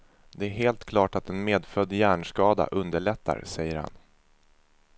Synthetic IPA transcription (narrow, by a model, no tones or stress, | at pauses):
d̪ɛæɾɦeːlt̪kʰlɑːʈat̪ɛnmeːd̪fœd̪ːjæːɳʂkɑːd̪a̰ʔɵnd̪əɭɛt̪ʰːa̰ɾsɛjːəɾha̰n